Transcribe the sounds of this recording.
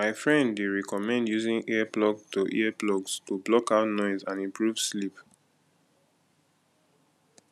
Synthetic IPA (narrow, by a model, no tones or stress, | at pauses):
maɪfɹɛ̃ndweɹɛkɔmɛ̃ndjuzĩŋʔiɛplɔɡtoʔḭɛplɔɡstublɔkaʊtnɔɪzãnĩmpɹuv̥slip